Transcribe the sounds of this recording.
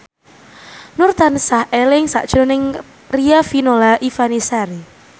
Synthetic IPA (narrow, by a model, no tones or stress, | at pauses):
nʊrt̪ansahʔelɪŋsa̰ʔd̥ʒ̥onɪŋ | riafinolaʔifanisaɾi